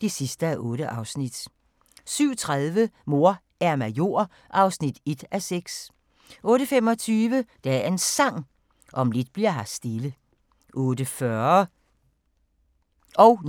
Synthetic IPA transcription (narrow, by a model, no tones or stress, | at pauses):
d̥e̝sisd̥əæʔɔ̽ːɾ̥əʔɑ̈ʊsnid̥ | syʊ̰t͡sʰʁaðˠʋəmo̝ɐ | æɐmæjo̝̰ɐ̰ | ʔɑ̈ʊsnid̥e̝d̥æseɡ̥s | ʔɔ̽ːɾəfem̰ɒ̽t͡sʰyːʋəd̥ææɐɐe̝nsɑ̈ŋ̰ | ʔɒ̽mle̝d̥̚b̥liɐ̰ɦɑsd̥e̝lə | ʔɔ̽ːdəfɶɐ | ɒʊ